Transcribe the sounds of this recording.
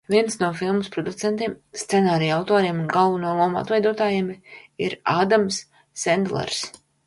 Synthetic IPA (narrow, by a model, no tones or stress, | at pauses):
viɛnsnuɔfilˠmuspɾɔd̪ut̪sɛnt̪iːmst̪sɛnaːɾiːawt̪oːɾiɛmunɡalˠvunulˠuɔma̰t̪vɛjd̪uɔt̪aːjemiɾaːd̪amsː | ɛnd̪lˠɛ̰ɾs